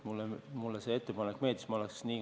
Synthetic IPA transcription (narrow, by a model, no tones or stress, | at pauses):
mulːemulːesee̞t̪ːepɑnekːme̞ːd̪̥ismɑoleksniː